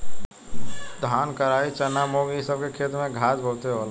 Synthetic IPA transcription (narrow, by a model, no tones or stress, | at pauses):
d̪ʱaːnkəɾaːit͡ʃənamoːɡjisəb̚kekʰeːt̪mẽɡʱaːd͡ʒbʱoːt̪eɦol